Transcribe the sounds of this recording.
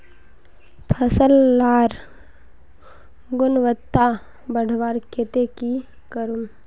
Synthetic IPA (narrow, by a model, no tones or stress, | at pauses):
pʰɐsəlːaːɾ | ɡʊnʋət̪ːa | bəɽʱʋaːɾket̪eki | kəɾum